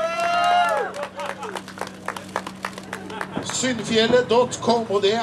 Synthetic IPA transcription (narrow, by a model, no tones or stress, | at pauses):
sʏnfjɛləd̪ɔt̪kʰɔmpoːd̪eː